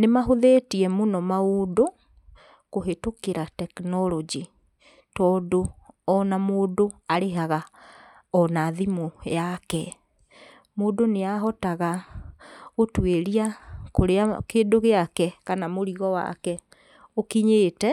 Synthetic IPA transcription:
nemaɦoðetiɛmonɔmaodo | koɦetokeɾatɛknɔlɔd͡ʒi | tɔːdoɔnamoːdoaɾeɦaɣa | ɔnaðimojakɛ | moːdoneaɦɔtaɣa | ɣotweɾiakoɾeakeːdoɣeakɛkanamoɾiɣɔwa̰kɛ | okiɲeːtɛ

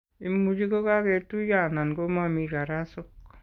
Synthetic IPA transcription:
imud͡ʒikokakɛtujanankomamikaɾasʊk̚

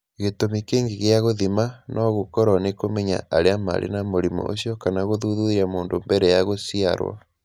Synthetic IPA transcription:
ɣetomikeːŋɡeɣeaɣoðimanʔɔɣokɔɾɔnekomɛɲa̰aɾeama̰ɾʔḛnamoɾimɔ̰ʔo̰sjɔkanaɣoðuðuðiɾamoːndombɛɾɛjaɣosiaɾwa̰

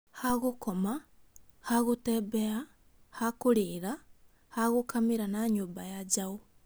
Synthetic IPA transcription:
haɣukoma | haɣuteβea | hakuliɾa | haɣukamiɾanaɲuːmbajad͡ʒaɣo

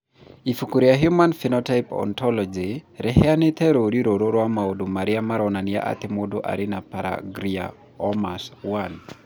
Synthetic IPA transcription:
ifukuɾiaɦjumanfinɔtajpɔ̰nt̪ɔlɔd͡ʒiɾɛɦɛanɛt̪ʰɛɾoɾiɾoɾoɾwamaodomaɾɪamaɾɔnanɪja̰ʔa̰t̪ɪmodoʔa̰ɾɪnapaɾa̰ɡɾia̰ | ɔmaswan

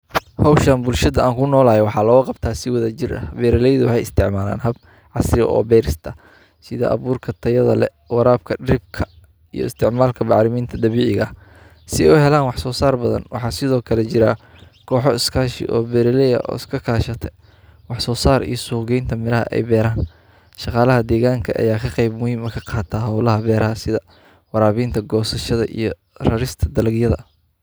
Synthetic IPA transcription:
hɔwʃɐnbʊlʃɐðɐaːŋkʰʊnɔːlaːjɛwɑħɑːlɐɔːɣɐqɑbt̪ʰaːsɪwɐðɐt͡ʃɪrʔɐ̰bɛːɾɪlɛjðʊwɑħɑjɪst̪ʰɪʕmaːla̰ːnɦɐb̚ | ʕɑsɾɪ̰ʔɔ̰ːbɛːɾɪst̪ʰɐ | sɪðɐ̰ʔɐ̰βuːrkʰɐt̪ʰɐjɐðɐlɛ̰ | wɑɾaːb̚kʰɐɖɾɪb̚kʰɐ | ijɔ̰ɪst̪ʰɪʕmaːlkʰɐmɑʕlɪmiːnt̪ʰɐd̪ɐβiːʕɪɣɐ | sɪɛjʊhɛlaːnwɑħsɔːsaːrbɐðɐ̰nwɑ̰ħɑːsɪðɔːkʰɐlɛt͡ʃɪɾaː | kʰɔːħɔɪskʰaːʃɪ̰ʔɔ̰ːbɛɾɪlɛjɐ̰ʔɔ̰ːɪskʰɐkʰaːʃɐt̪ʰɛ | wɑħsɔːsaːɾḭjɞsuːɣɛjnt̪ʰɐmɪɾɐɦɐ̰ʔɛ̰jbɛːɾaːn | ʃɑqɑːlɐɦɐd̪ɛːɣaːŋkʰɐʔɐ̰jaːkʰɐqɛjbmʊhiːmɐkʰɐqɑːt̪ʰaɦɐwlɐɦɐbɛːɾɐɦɐsɪðɐ | wɑɾaːβiːnt̪ʰɐɡɔːsɐʃɐðɐ̰ʔḭjɞ | rɐɾɪst̪ʰɐd̪ɐlɐɡjɐðɐ̰

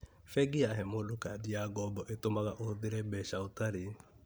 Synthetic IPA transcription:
fɛɡiaɦɛmodokadiaɡɔbɔʔetomaɣaʔoðeɾɛbɛʃaotaɾe

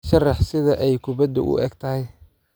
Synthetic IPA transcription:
ʃɐrɑħsɪðɐʔɛjkʰʊbɐd̪ʊ̰ʔʊ̰ɛɡt̪ʰɐɦɛj

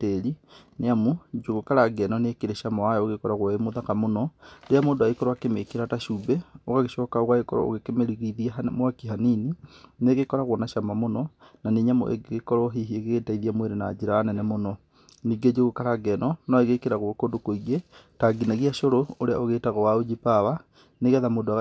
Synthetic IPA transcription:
tɛɾineamud͡ʒoɣokaɾaɡɛnɔneekeɾeʃamaajɔoɣekɔɾaɣwɔemoðakamonɔdeamoːndoaikɔɾwakemekeɾataʃuːbɛoɣaɣeʃɔːkaoɣwaekɔɾɔ̰o̰ɣekemeɾiɣiðiamwakiɦaninineɣekɔɾaɣwɔnaʃamamonɔnaneɲamo̰ʔḛɡɣekɔɾɔɦiɦieɣeɣetaiðiamweɾena̰d͡ʒeɾaːnɛnɛmonɔ | niːɡed͡ʒeɣokaɾaɡɛnɔnɔeɣekeɾaɣwɔkodokoiɣetaɡinaɣiaʃoɾooɾea̰oɣetaɣɔwaod͡ʒipawa | neɣɛðamoːdoaɣ

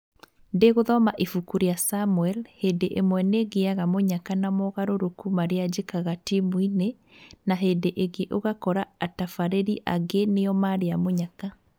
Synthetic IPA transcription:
ndeɣoðɔmaʔifukuɾiasamuɛlhedeʔemwɛneɣeaɣamoɲakanamɔɣaɾoɾokumaɾead͡ʑekaɣatimwine | naɦedeʔeɣeʔoɣakɔɾaatafaɾeɾiʔaɡeneɔmaɾeamoɲaka

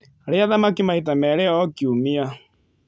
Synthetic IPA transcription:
ɾɛaðamakimaitamɛɾɛɔkiumia

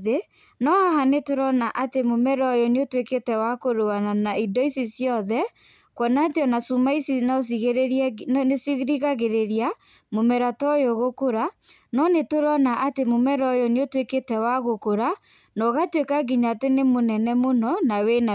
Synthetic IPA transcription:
ðe | nɔhahanetoɾɔnaʔatemomɛɾɔjoneotweketɛwakoɾoananaidɔisisjɔðɛ | kwɔnatjɔnasumaisinas̬iɣeɾenesiɣɾiɣaɣeɾeɾia | momɛɾatɔjoɣokoɾa | nɔnetoɾɔnaʔatemomɛɾɔjoneotweketɛwaɣokoɾa | nɔɣatwekaɡiɲaːtenemonɛnɛmonɔnawena

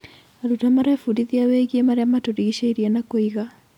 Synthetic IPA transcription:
aɾutamaɾafuɾiðiaweɣiemaɾeamatoɾiɣiɕeiɾianakoiɣa

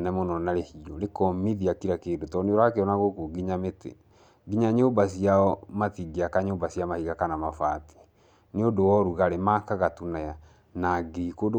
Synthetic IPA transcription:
nɛmɔnɔnaɾehiɔɾekɔmiðiakiɾakeːdotɔneoɾakeɔnaɣokoɡiɲametḛ | ɡiɲaɲoːmbas̬iaɔmatiɡeakaɲoːmbasiamahiɣakanamafati̥ | neodowɔɾuɣaɾemakaɣatunaja | naɡekod

